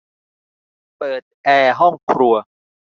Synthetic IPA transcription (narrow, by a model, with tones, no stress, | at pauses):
pɤː˨˩t̪̚ʔɛː˧ɦɔ˥˩ŋkʰɾu˧ɐ